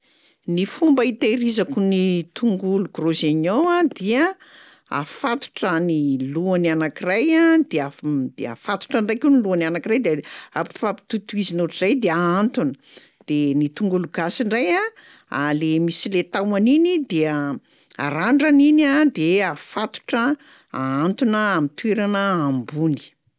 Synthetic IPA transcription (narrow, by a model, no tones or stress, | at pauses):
nifumbəit̪eɾizakunit̪uŋɡuluɡ̥rozeɲoad̪iə | a̰fat̪u̥ʈ͡ʂaniluananakirajad̪̥ead̪̥ea̰fat̪u̥ʈ͡ʂaɳɖ͡ʐajkeniluananakirajd̪eapi̥fapi̥t̪ut̪uizinuʈ͡ʂizajd̪eaant̪unə | d̪̥enit̪uŋɡuluɡasiɳɖ͡ʐaja | a̰lemisilet̪awaninid̪eə | a̰ɾaɳɖ͡ʐaninad̪eafat̪u̥ʈ͡ʂə | aant̪unəamit̪ueɾanəambuni̥